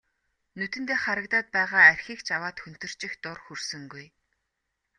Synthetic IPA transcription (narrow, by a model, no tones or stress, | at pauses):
nɵt̪ɘ̆nt̪eːχaɾə̆kt̪aːt̪̚pæːʁaːærʲxiːkt͡ɕawaːt̪xɵn̥t̪ɵ̆r̥t͡ɕɪ̆xt̪ʊrxursɵ̆ŋɡuj